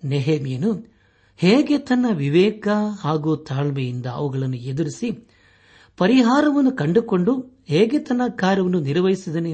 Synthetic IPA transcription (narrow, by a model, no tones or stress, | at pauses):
neɦemijɐnu | heːɡet̪ɐnːɐʋiʋɛːkɐhaːɡuːt̪ʰaːɭmɛjind̪ɐɐ̰ʋuɡɐɭɐnːued̪uɾisi | pɐɾiɦaːɾɐʋɐnːukɐɳɖuko̞ɳɖu | heːɡet̪ɐnːɐkːaːɾjɐʋɐnːuniɾʋɐjisid̪ɐne